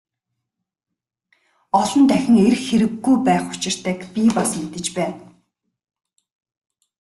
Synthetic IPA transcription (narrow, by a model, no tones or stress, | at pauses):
ɔɮɞ̆nt̪æxʲɪ̆ŋerxeɾɘ̆ɡːujpæːχʊ̥t͡ɕɪ̆r̥t̪ʰæːkpʲipasmet̪ɘ̆t͡ɕpæːn